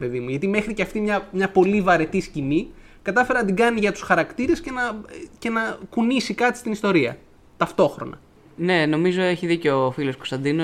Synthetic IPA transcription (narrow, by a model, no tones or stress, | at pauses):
pe̞ðimuʝɐt̪ime̞xɾiceɐft̪imɲɐmɲɐpo̞livɐɾe̞t̪iscinikɐt̪ɐfe̞ɾɐnɐt̪iɡɐniʝɐt̪u̥sxɐɾɐkt̪iɾe̞sce̞nɐce̞nɐkunisikɐt̪ist̪inist̪o̞ɾiɐ̰ | t̪ɐft̪o̞xɾo̞̰nɐ̰ | ne̞no̞mizo̞e̞çiðiceofilo̞sko̞st̪ɐnd̪ino